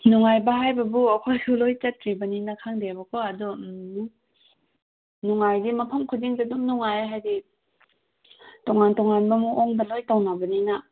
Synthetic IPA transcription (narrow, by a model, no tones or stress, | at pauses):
nuŋajbɐɦajbɐbuɐkʰojhulojt͡ʃɐt̚kɾibɐninɐkʰaŋdebɐkʰoɐdu | nuŋajdimɐpʰɐmkʰudiŋdɐdumnuŋajaɦajdi | toŋantoŋanbɐmuʔoŋbɐlojtawnabɐnina